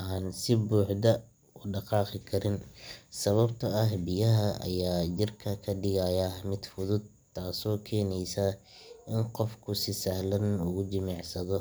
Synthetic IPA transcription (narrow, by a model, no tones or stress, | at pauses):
ʔaːnsɪbuːħd̪ɐ | ʊɖɑqɑːqɪkʰɐɾɪnsɐβɐbt̪ʰɐɐɦbɪjɐɦɐʔɐ̰jaːt͡ʃɪrkʰɐkʰɐɖɪɣajɐmɪd̪fʊðʊd̪̚ | t̪ʰːaːsɔːkʰɛːnɛjsɐ | ɪnqɔfkʰʊsɪsɐhlɐnʊɣʊd͡ʒɪmɑʕsɐðɔ